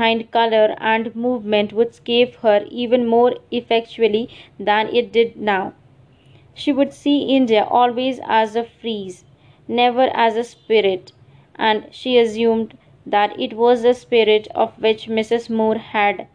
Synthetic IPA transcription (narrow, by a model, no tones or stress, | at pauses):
ãɪ̃nɖ̚kʌləɾæ̃ɳɖmuːʋmə̃nʈʋʊɖsɡeːʋhəɾiːʋə̃nmoːɾɪfɛk̚t͡ʃuəlid̪æ̃nʔɪ̰ʈ̚ɖɪɖ̚naʊ | ʃiːʋʊɖsiːʔɪ̃nɖijaʔɔːlʋeːzæ̰zəfɾiːz | nɛʋəɾʔæzəspɪɾɪʈ | ʔæ̃ɳɖʃiːəzjũːmɖ | d̪æʈɪ̰ʈʋɔːzd̪əspɪɾɪʈʰɔ̰ʋʋɪt͡ʃmɪsɪzmuːɾhæɖ